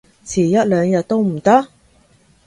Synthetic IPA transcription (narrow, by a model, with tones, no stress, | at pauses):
t͡sʰiː˨˩jɐ˥t̚lœː˨˧ŋjɐ˨t̚t̪ːo˥wm̩˨˩t̪ɐ˥k̚